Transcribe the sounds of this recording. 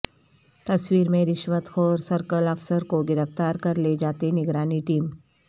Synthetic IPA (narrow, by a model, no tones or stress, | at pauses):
t̪ɐswiːɾmẽɾɪʃwət̪xɔːɾsɐɾkəlɐfsəɾkoɡɪɾəft̪aːɾkɐɾled͡ʒaːt̪enɪɡɾaːniʈiːm